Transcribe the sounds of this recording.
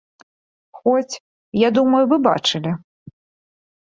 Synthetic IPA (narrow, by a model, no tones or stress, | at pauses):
xɔt͡sʲ | jad̪umɐjuvɨba̰t͡ʂɨlʲi